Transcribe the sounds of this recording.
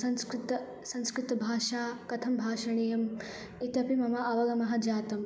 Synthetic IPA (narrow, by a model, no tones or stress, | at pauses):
ɐnskɾt̪ɐ | sɐ̃nskɾɪt̪ɐbʱaːʃaːkɐt̪ʰɐmbʱaːʃɐɳ̃ijɐm | it̪ɐpimɐmɐɐʋɐlɐmɐɦɐd͡ʒaːt̪ɐm